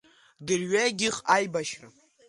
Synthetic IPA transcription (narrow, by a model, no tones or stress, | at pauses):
dɨrɥaɡʲɪχajbaʃra